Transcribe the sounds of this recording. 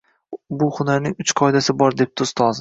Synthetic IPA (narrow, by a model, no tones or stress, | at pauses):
bʊχʊnaɾnɪŋʊt͡ʃqʰɒɪd̪asɪbɒɾd̪e̞p̚t̪ʰost̪ʰɒz